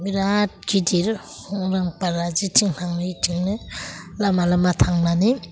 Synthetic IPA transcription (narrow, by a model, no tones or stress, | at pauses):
miɾat̚ɡidiɾ | hɔŋɾaŋpaɾazitʰiŋn̥aŋnitʰiŋnɯlamalamatʰaŋnani